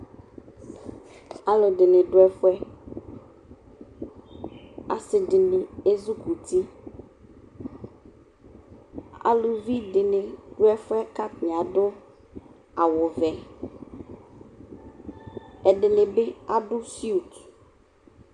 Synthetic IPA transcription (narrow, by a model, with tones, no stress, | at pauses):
a˨lo˨ɖe˨ne˨ɖo˦ɛ˦fo˦ɛ˦ | a̰˨se˨ɖe˨ne˨e˦zu˦ku˨t̪i˦ | a̰˨lu˨vi˦ɖe˨ne˨ɖ̥o˦ɛ˦fo˦ɛ˦ka˦tɲ˨a˨ɖo˦ | a˨wo˨vɛ˨ | ɛ˨ɖe˨ne˨be˦a˦ɖo˦si˦u˨t̪